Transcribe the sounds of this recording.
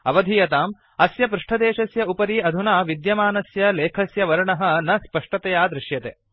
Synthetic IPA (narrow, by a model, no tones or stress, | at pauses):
ɐʋɐd̪ʱijɐt̪aːm | ɐsjɐpɾuʂʈʰɐd̪eːʃɐsjɐupɐɾiːɐd̪ʱunaːʋid̪jɐmaːnɐsjɐleːkʰɐsjɐʋɐɾɐɳɐɦɐ̆nɐspɐʂʈɐt̪ɐjaːd̪ɾɪʃjɐt̪ḛː